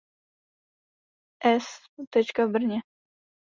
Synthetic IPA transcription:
ʔɛs | t̪ɛt͡ʃkavbr̩ɲɛ

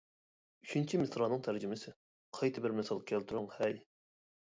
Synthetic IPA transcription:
yt͡ʃʰynt͡ʃʰimɪsɾɑnɨŋt̪ʰæɾd͡ʒymɪsɪ | qʰɑjt̪ʰɪbɪɾmɪsɑlˠkʲʰɛlt̪ʰuɾʊŋhɛj

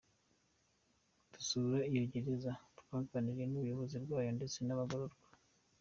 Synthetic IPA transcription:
tu̥suɾaijoɟiɾezatu̥kaːkaniɾenuβujoβoziɾɡwaːjonde̞t͡se̞naβaɡoɾoɾɡwa

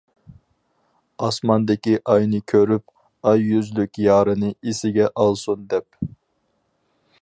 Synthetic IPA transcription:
ɑsmɑnd̪ɪkʲiʔɑjnɨkʲʰøɾyp̚ | ɑjːyzlykʲjɑːɾɨnɨisɪɡʲɛʔɑlˠsund̪ɛp̚

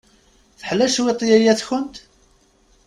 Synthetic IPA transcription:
θə̥ħlæʃwet̪ˤːjæjæθçənt̪

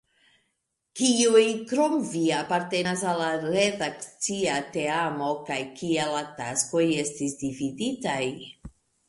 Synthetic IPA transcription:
kiujkɾo̞mviapaɾte̞nasalaɾe̞dakt͡siate̞amo̞kajkialatasko̞je̞stisdividitaj

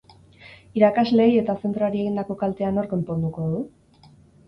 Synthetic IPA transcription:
iɾakazle̞je̞t̪ase̞nt̪ɾoaɾie̞ɣind̪ako̞kalt̪e̞ano̞ɾko̞mpo̞nd̪uko̞ðu

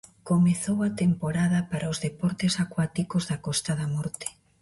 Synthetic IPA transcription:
komeθowɐt̪empoɾaðɐpaɾaozðepɔɾt̪esakwat̪ikozðɐkɔst̪aðɐmɔɾt̪e̥

